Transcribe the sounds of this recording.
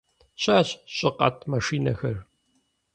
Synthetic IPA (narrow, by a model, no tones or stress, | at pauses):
ɕʼaːɕɕʼɪqʼɐ̰tʰmɐʂiːnɐxɐr